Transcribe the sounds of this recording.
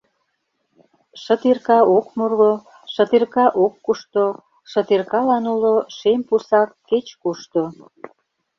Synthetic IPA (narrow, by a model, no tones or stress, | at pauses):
ʃə̆t̪irkɑokmurɣo | ʃə̆t̪irkɑʔokːuʃt̪o | ʃət̪irkɑlɑnuloʃempusɑkːet͡ɕkuʃt̪o